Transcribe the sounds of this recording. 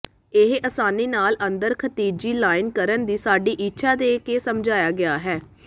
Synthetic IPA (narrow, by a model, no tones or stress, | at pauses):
ɪɦʔəsaːniːnaːlənd̪əɾkʰət̪iːd͡ʒiːlaːɪnkəɾənd̪iːsaːɖiːʔitːʃʰaːd̪eːkeːsəmd͡ʒaːjaːɡɪaːɦɛː